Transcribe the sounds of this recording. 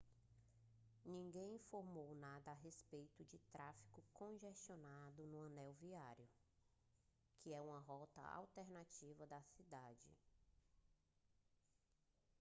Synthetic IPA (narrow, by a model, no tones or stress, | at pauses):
nĩŋɡẽj̃ĩfoɾmownad̪ɐːɦespejt̪ʊd͡ʒɪt̪ɾafi̥kʊkõʒest͡ʃionad̪ʊnʊɐ̃nɛwviaɾjʊ | kʰɪɛũmɐɦɔt̪ɐ̰a̰wt̪eɾnat͡ʃivɐd̪ɐsid̪ad͡ʒɪ̰